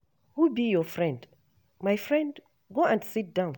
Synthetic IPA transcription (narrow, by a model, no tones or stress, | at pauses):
hubijɔfɹɛ̃nd | majfɹɛ̃nd | ɡoɛ̃ndsit̚dãʊ̃n